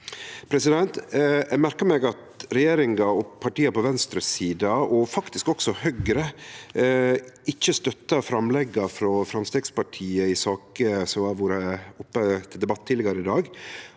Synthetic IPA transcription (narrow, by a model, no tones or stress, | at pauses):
pʰɾɛsɪd̪ɛnt̪ʔæmæɾkəɾmɛɡɑt̪ɾɛjeːɾɪŋɑɔpʰɑʈiːɑpɔʋɛnst̪ɾəsiːd̪ɑɔfɑkt̪ɪskɔksɔhœɡɾə | ɪçːəst̪œt̪ːɑfɾɑmlɛɡːɑfɾɔfɾɑmst̪eːɡspɑʈʰiːəɪsɑːkəsɔmɑʋuːɾəʊpːət̪ʰɪld̪ɛbɑt̪ʰːilɛɡɑɾəɪd̪ɑːɡ